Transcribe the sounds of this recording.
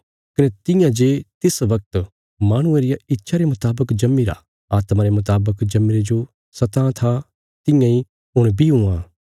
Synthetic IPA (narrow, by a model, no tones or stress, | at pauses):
kɐnet̪ɪjãd͡ʒeːt̪ɪsʋɐk̚t̪ | maːɽ̃ʊ̃eɾɪjaɪtːʃʰaɾemʊt̪aːbəkd͡ʒɐmːiɾa̰ | aːt̪maɾemʊt̪̬aːbəkd͡ʒɐmːiɾed͡ʒo | sɐt̪ãt̪ʰa | t̪ɪ̃jãi | ʊɽ̃bʱiɦʊãː